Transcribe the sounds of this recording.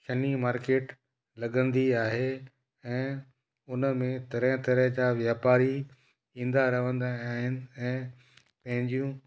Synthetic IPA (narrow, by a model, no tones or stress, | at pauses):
ʃɐnimaːɾkeːʈ | lɐɠə̃nd̪iaːɦe | ɛ̃ː | ʊnəmẽt̪ɐɾə̃ɦt̪ɐɾəɦd͡ʑaʋjaːpaːɾi | ĩːn̆d̪aɾɐʋə̃nd̪aaːɦɪnɪ̆ɛ̃ː | pɐ̃ɦɪ̃ɲd͡ʑijũ